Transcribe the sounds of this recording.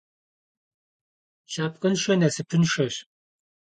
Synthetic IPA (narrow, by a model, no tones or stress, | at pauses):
ʃaːp̚qʼɐnʃɐnɐsɨpʰɨnʂɐɕ